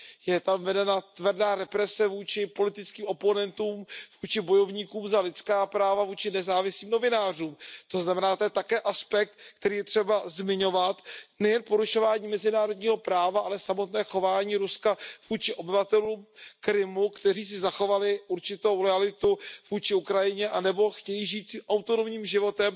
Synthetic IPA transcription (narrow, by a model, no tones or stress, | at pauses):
jɛt̪amvɛdɛnat̪vrdaːɾɛpɾɛsɛvuːt͡ʃɪpo̞lɪt̪ɪt͡skiːmo̞po̞nɛnt̪uːmvuːt͡ʃɪbo̞jo̞vɲiːkuːmzalɪt͡skaːpɾaːvavuːt͡ʃɪnɛzaːvɪsliːmno̞vɪnaːr̝uːmt̪o̞znamɛnaːt̪ojɛt̪akɛːʔaspɛk̚t̪kt̪ɛɾiːjɛt̪r̝̥ɛbazmɪɲo̞vat̪nɛjɛnpo̞ɾuʃo̞vaːɲiːmɛzɪnaːɾo̞dɲiːɦo̞pɾaːvaʔalɛsamo̞t̪nɛːxo̞vaːɲiːɾuskav̥uːt͡ʃɪʔo̞bɪvat̪ɛluːmkɾɪmukt̪ɛriːs̬ɪzaxo̞valɪʔuɾt͡ʃɪt̪owɾɛalɪt̪uv̥uːt͡ʃɪukɾajɪɲɛʔanɛbo̞xcɛjiʒiːt̪siːmʔawt̪onomɲiːmʒɪvo̞t̪ɛm